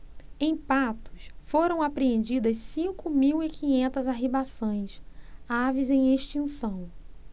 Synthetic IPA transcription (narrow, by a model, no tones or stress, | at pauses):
ẽj̃pat̪ʊ̥sfoɾɐ̃w̃apɾeẽnd͡ʒid̪ɐssĩkʊmiwikʰĩɲẽnt̪ɐzaɦibasõj̃savizẽj̃eʃt͡ʃĩsɐ̃w̃